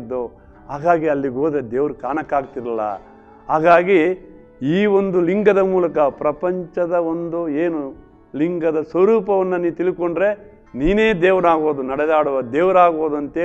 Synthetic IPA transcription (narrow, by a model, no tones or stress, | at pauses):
d̪ːo | ɦaːɡaːɡiɐlːiɡoːd̪ed̪eːʋɐɾukaːnɐkːaːɡ̚t̪iɾɐlːɐ̰ | ɦaːɡaːɡi | iːo̞nd̪uliŋɡɐd̪ɐmuːlɐkɐpɾɐpɐɲt͡ʃɐd̪ɐond̪ueːnu | liŋɡɐd̪ɐsʋɐɾuːpɐʋɐnːɐniːt̪ilikoɳɖɾe̞ | niːneːd̪eːʋɐɾaːɡoːd̪unɐɽɛd̪aːɽuʋɐd̪eːʋɐɾaːɡboːd̪uɐnt̪eː